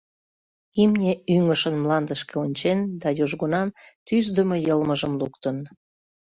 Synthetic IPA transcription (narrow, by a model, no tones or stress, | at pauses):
imnʲeyŋəʃənmlɑnd̪əʃkeonʲt͡ɕend̪ɑjoʒɣonɑmt̪yzd̪əmojəlməʒəmlukt̪ən